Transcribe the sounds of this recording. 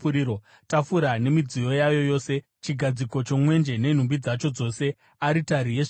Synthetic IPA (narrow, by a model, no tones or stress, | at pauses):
uɾiɾo | tafuɾane̞mid͡zijo̞jajo̞jo̞ːse̞ | t͡ʃiɡʱad͡ziko̞t͡ʃo̞mwe̞nd͡ʒe̞ne̞n̤umbid͡zat͡ʃo̞d͡zo̞se̞ | aɾitaɾije